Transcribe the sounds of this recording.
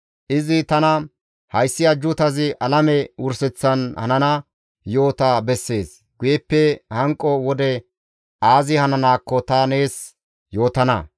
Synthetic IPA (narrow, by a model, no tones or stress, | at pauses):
ʔɪzɪt̪ɐnɐ | hɐjsːɪɐd͡ʒːʊt̪ɐzɪʔɐlɐmɛʊɾsɛt͡sːɐnhɐ̰nɐnɐ | jo̞ːt̪abɛsːe̞ːs | ɡ̥ʊjɛpːɛhɐŋkʼːɔwɔd̪ɛ | aːzɪhɐnɐnaːkːɔt̪ɐne̞ːs | jo̞ːt̪ɐnɐ̰